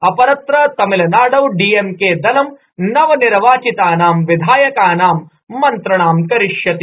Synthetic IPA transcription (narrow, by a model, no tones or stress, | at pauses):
ɐpɐɾɐt̪ɾɐt̪ɐmilɐnaːɖɐwɖiːemkeːd̪ɐnɐm | nɐʋɐniɾʋaːt͡ʃit̪aːnaːmʋid̪ʱaːjɐkaːnaːmː | ɐnt̪ɾɐɳaːmkɐɾiʃjɐt̪i